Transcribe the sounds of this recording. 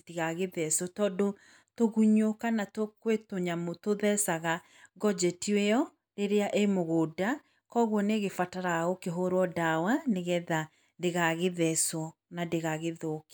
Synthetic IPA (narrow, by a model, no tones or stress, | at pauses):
tiɣaɣeðɛsɔtɔːndo | toɣuɲokanatokwetoɲamotoðɛsaɣa | ɡɔd͡ʒɛtiweɔ | ɾeɾeaʔemoɣoːda | kɔɣwɔneɣefataɾaokeɦoɾwɔdawaneɣɛða | deɣaɣeðɛsɔnadeɣaɣeðoːke̥